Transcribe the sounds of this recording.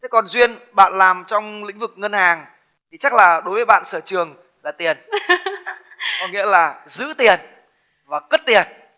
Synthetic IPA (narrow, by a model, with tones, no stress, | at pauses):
t̪ʰe˨˦kɔ˨˩nzwi˧ənɓa̰ː˧˨nlaː˨˩mt͡ɕɔ˧wŋ͡mlḭ˧˥ŋ̟vɨ˨˩k̚ŋə˧nhaː˨˩ŋ | t̪ʰi˨˩t͡ɕa˦˥k̚laː˨˩ɗo˨˦jvəː˨˦ɓa̰ː˧˨nsəː˧˩t͡ɕɨ˨˩əŋ | laː˨˩t̪i˨˩ən | kɔ˧˦nŋḭ˧˥əlaː˨˩zɨ̰˧˥t̪i˨˩ən | vaː˨˩kə˦˥t̚t̪i˨˩ən